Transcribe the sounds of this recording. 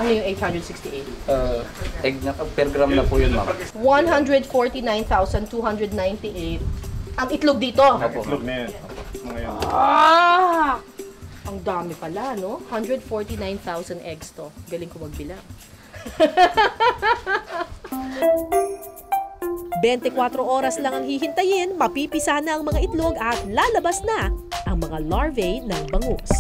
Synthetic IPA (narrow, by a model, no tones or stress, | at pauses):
ʔɐnojʊŋʔejt̪hɐnd̪ɹɛd̪sɪkst̪iʔejt̪̚aɛɡ̚nɐpɛɾɡɾamnɐpujʊnmɐ̰mwanɦɐnd̪ɹɛd̪foɹt̪inajnθawsɐnt̪uɦɐnd̪ɾɹɛd̪̚najnt̪ɪʔejt̪̚ʔɐŋɪt̪lʊɡ̚d̪iːt̪o̞ʔoːpo̰loɡ̚nɐjnopŋɐjo | ʔɐŋd̪aːmɪpɐlanohɐnd̪ɹɛd̪̚foɹt̪inajnθawsɐnʔɛɡst̪oɡɐlɪŋkomɐɡ̚bɪlaʔ | bɛnt̪ɪkwat̪ɾo̞ʔo̞ːɾɐslɐŋɐŋhiɦɪnt̪ɐjɪnmɐpipɪsanɐʔɐŋmɐŋaʔɪt̪loɡɐt̪̚laːlɐbɐsnɐʔɐŋmɐŋalaɹvɛjnɐŋbɐŋos